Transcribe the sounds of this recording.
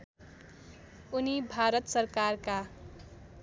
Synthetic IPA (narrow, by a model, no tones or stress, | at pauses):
unibʱaɾʌt̪sʌɾkarka